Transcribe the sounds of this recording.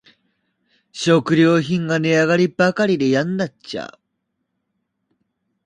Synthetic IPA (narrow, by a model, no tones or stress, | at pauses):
ɕokɯ̟ɾʲjo̞ːçĩŋɡane̞aɡaɾʲibakaɾʲid̪e̞jãnd̪at͡ɕa̰